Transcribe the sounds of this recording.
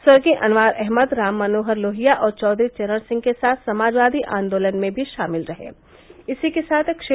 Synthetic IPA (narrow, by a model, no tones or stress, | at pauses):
swɐɾɡiʔɐnʋaːɾʔɛɦməd̪ɾaːmːɐnoːɦəɾloːɦijaʔɔːɾt͡ʃɔːd̪ɾit͡ʃɛɾəɽsɪ̃ŋɡ̚kesaːt̪ʰsɐmaːd͡ʒʋaːd̪iʔã̰ːnd̪oːlənmẽbʱiʃaːmɪlɾɐɦḛ̃ː | ɪsikesaːt̪ʰkʃe